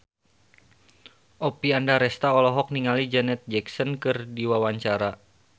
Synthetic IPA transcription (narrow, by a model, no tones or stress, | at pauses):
ʔopiandaɾɛst̪aɔlɔɦɔk̚niŋalid͡ʒɛnɛt̪̚d͡ʒɛksɔnkɨrdiwawaɲt͡ʃaɾa